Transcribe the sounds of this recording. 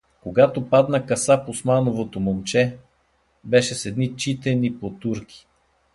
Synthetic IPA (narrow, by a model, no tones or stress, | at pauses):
koɡat̪opad̪nəkɐsaposmanovot̪omomt͡ʃɛ | bɛʃɛsɛd̪nit͡ʃit̪ɛnipot̪uɾkʰi̥